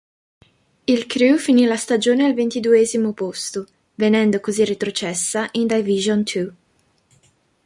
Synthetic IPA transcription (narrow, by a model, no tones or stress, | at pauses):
ilkɾufinilast̪ad͡ʒoːnealvent̪id̪uɛːzimopost̪o | venɛnd̪okozirːit̪ɾot͡ʃɛsːaʔind̪ajviʒont̪ʰu